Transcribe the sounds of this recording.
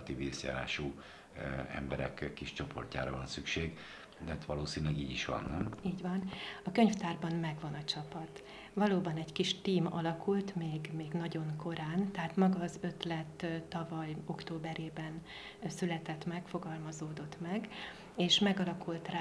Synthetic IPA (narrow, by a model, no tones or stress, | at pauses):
t̪iːveːsja̰ːɾa̰ːʃu | ɛ̰mbɛɾɛ̰kkːiʃt͡ʃo̞pʰo̞̰rca̰ːɾɒvɒnsykʃeːɡ | d̪ɛat̪ʋɒloːsiːnylɛɡiːɟiʃʋɒ̰nːiːɟʋɒnɒkø̞ɲft̪aːrbɒmmɛɡʋɒnɒt͡ʃɒpɒt̪ | ʋɒloːbɒnɛɟkiʃt̪iːmɒlɒkult̪meːɡmeːɡnɒɟo̞ŋko̞ɾaːnt̪ɛɦaːt̪mɒɡɒːzø̞t̪lɛt̪ːt̪ːɒvɒjo̞kt̪oːbɛɾeːbɛn | sylɛt̪ɛt̪mɛkfo̞ɡɒlmɒzoːd̪o̞t̪mɛɡ | eːʃmɛɡɒlɒkult̪r